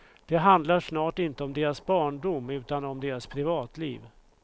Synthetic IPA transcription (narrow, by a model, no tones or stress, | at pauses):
d̪̥ɛɦand̪laʂnɑːʈɪnt̪əɔmd̪eːɾasbɑːɳɖʊmːʉ̟ːt̪anɔmd̪eːɾaspʰɾɪvɑːt̪lḭːv